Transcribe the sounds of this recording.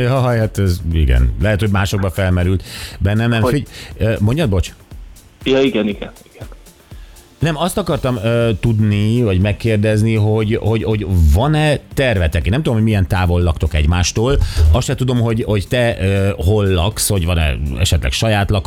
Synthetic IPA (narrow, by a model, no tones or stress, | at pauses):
jɒɦhat̪ɛziɡɛ̰nlɛɦɛt̪ho̞ɟmaːʃo̞ɡ̚bɒfɛlmɛɾylt̪bɛnːɛnɛmfiømo̞ɲɟɒd̪bo̞t͡ʃ | jɒiɡɛniɡɛniɡ̥ɛn | nɛmɒst̪ɒkɒrt̪ɒmøːt̪ud̪nivɒɟmɛkːeːrd̪ɛzniɦo̞ɟho̞ɟo̞ɟvɒnɛt̪ɛrvɛt̪ɛkenɛmt̪ud̪omhoɟʲmijɛnt̪aːvo̞lːɒkt̪o̞kɛɟmaːʃt̪oːlɒsʃɛt̪ud̪o̞mɦo̞ɟho̞ct̪ɛøːɦolːɒksho̞ɟvɒnɛ̰ɛ̰ʃɛt̪lɛ̰kʃɒjaːt̪lɒk